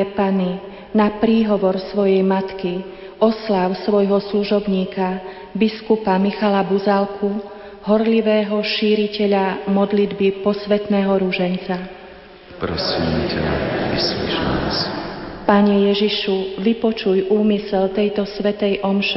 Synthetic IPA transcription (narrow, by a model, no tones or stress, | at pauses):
pani | napɾiːɦɔʋɔɾsʋɔjɛjmat̪ki | ɔslaʊsʋɔjɦɔsluʒɔbɲiːka | biskupamixalabuzalkʰu | ɦɔɾliʋɛːɦɔʃiːɾicɛʎamɔd̪lid̪bipɔsʋɛt̪nɛːɦɔɾuʒɛnt͡sa | pɾɔsiːmcɛ̰islɛ̰t͡ʃna̰spaɲɛjɛʒiʃuʋipɔt͡ʃujʔuːmisɛlt̪ɛjt̪ɔsʋɛt̪ɛjʔɔmʃ